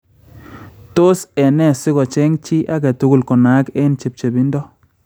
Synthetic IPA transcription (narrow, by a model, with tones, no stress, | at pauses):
to˦sɛ˨nɛ˦˨sɪ˦ɣɔ˨t͡ʃɛ˦ŋt͡ʃi˦ʔa˦ɡɛ˨tʊ˦ɡʊ˨lkɔ˨na˨˦kɛ˦nt͡ʃi˨p̚t͡ʃe˨bi˦ndɔ˦